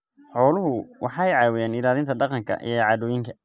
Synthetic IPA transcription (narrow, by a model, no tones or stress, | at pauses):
ħɔːlʊɦʊwʔɑħɑɛjʕɑːwɪjaːnɪlaːðɪnt̪ʰɐɖɑqɑŋkʰɐ̰ʔḭjʕɑːðɔːjɪŋkʰɐ̥